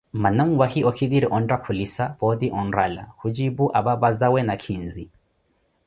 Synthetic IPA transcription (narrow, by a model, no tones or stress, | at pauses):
manam̩wahiɔkʰidiɾiʔɔndakʰulisabɔdiʔɔnɾala̰hud͡ʒibuʔababazawɛnakʰinzi